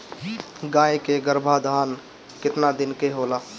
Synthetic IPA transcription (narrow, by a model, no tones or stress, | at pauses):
ɡãːekeɡəɾbʱad̪ʱaːn | kɪt̪nad̪ɪnkeɦoːlaː